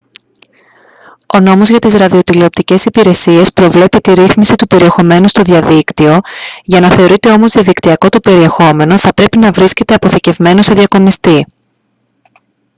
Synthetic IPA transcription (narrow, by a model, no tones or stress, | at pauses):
o̞no̞mo̞zʝɐt̪izɾɐðio̞t̪ileo̞p̚t̪ice̞sipiɾe̞sie̞spɾo̞vle̞pit̪iɾiθmisit̪upe̞ɾie̞xo̞me̞nust̪o̞ðiɐðikt̪io̞ʝɐnɐθe̞o̞ɾit̪e̞o̞mozðiɐðikt̪iɐko̞t̪upe̞ɾie̞xo̞me̞no̞θɐpɾe̞pinɐvɾisce̞t̪e̞ɐpo̞θice̞vme̞no̞se̞ðʝɐko̞mist̪i